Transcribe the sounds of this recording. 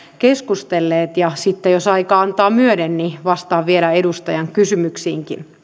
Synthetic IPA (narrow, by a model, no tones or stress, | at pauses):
keskust̪elːeːt̪jɑsit̪ːejosɑikɑɑnt̪ɑːmyødenniʋɑst̪ɑːʋʋielæedust̪ɑjɑŋkysymyksiːŋkḭn